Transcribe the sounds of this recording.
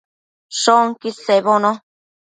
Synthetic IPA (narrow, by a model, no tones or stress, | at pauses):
ʃoŋkiseβonõ